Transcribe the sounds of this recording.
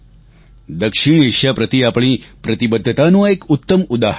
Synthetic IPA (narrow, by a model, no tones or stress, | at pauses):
d̪əkʂiɳ̃eʃjapɾət̪iapɳ̃iːpɾət̪ibəd̪ʱːjət̪anũekut̪ːəmud̪aɦ